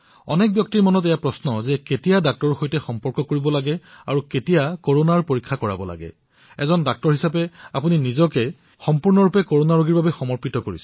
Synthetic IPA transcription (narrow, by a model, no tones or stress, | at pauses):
ɔ̰nɛk̚bjɔk̚tiɹmɔnɔtɛjapɹɔsnɔzɛketijadak̚tɔɹxojtɛxɔmpɔɹkɔkoɹibɔlaɡɛaɹuketijakoɹonaɹpoɹikʰːakɔɹa̰bɔla̰ɡɛ̰ | ɛzɔndak̚tɔɹɦisapɛapuninizɔkɛ | xɔmpuɹnɔɹupɛkoɹonaɹoɡiɹbabɛxɔmɔɹpitɔkoɹḭsɛ̥